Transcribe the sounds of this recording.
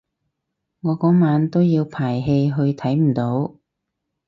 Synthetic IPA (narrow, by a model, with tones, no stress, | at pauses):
ŋɔː˨˧kɔː˨˥maː˨˧˥nt̪o˥wjiː˧wpʰaː˨˩jɦe˧jɦɵ˧ɥt̪ʰɐ˨˥jm̩˨˩t̪o˨˥w